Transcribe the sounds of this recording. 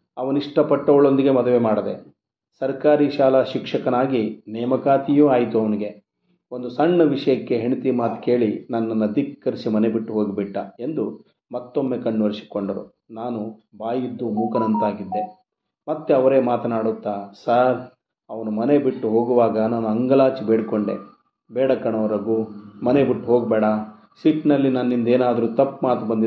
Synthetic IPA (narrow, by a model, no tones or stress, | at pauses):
ɐʋɐniʂʈɐpɐʈːɐʋɐɭond̪iɡe̞mɐd̪ɐʋemaːɽɐd̪e | sɐɾkaːɾiːʃaːlɐʃikʂɐkɐnaːɡinɛːmɐkaːt̪ijuaːjit̪uɐʋɐniɡe̞ | o̞nd̪usɐɳːɐʋiʂɐjɐkːeɦeɳit̪imaːt̪ke̞ːɭinɐnːɐnːɐd̪ikːɐɾisimɐne̞biʈːuɦo̞ːɡibiʈːɐe̞nd̪u | mɐt̪ːo̞mːe̞kɐɳːuʋɐɾisi̥koɳɖɐɾṵ | naːnubaːjid̪ːumuːkɐnɐnt̪aːɡid̪ːe̞ | mɐt̪ːeɐʋɐɾeːmaːt̪ɐnaːɽut̪ːasaːɾ | ɐʋɐnumɐnebiʈːuɦo̞ːɡuʋaːɡɐnaːnuɐŋɡɐlaːt͡ʃibeːɽkoɳɖḛ | bɛːɽɐkɐɳɐʋɐɾɐɡumɐnebiʈːuɦoːɡbɛːɽɐ | siʈnɐlːinɐnːind̪eːnaːd̪ɐɾuːt̪ɐpːmaːt̪ubɐnd̪i